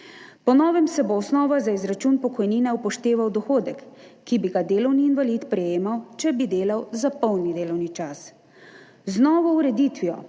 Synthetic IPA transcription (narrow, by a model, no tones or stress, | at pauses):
pɔnɔːʋɛmsɛboːsnɔːʋazaizɾat͡ʃunpɔkɔjniːnɛupɔʃt̪eːʋawd̪ɔxoːd̪ɛkːibiɡad̪eːlɔwniːnʋalit̪pɾɛjeːmawt͡ʃɛbid̪eːlawzapɔwnid̪eːlɔwnit͡ʃas | znɔːʋɔuɾɛd̪iːt̪ʋiɔ̰